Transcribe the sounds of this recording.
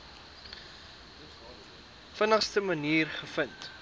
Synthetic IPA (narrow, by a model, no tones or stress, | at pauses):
fənəχstəməniːrχəfənt